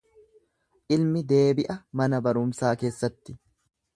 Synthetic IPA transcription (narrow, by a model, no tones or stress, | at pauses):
ʔɪlmɪd̪e̞ːbɪʔɐmɐnɐbɐɾʊmsaːke̞ːsːɐt̪ːɪ̥